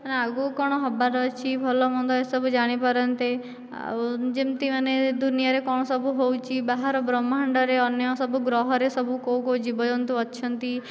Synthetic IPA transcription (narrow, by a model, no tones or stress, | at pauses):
ənaɡukɔɽ̃ɔɦɔbaɾɔt͡ʃʰibʱɔlɔmɔnd̪ɔesɔbʱud͡ʒaɽ̃ipəɾənt̪e | d͡ʒemt̪iməned̪unijaɾekɔɽ̃ɔsɔbʱuɦowt͡ʃʰibaɦaɾɔbɾɔmːaɳɖɔɾeɔnjɔsɔbʱuɡɾɔɦɔɾesɔbʱukowkod͡ʒibɔd͡ʒɔnt̪uɔtːʃʰɔnt̪i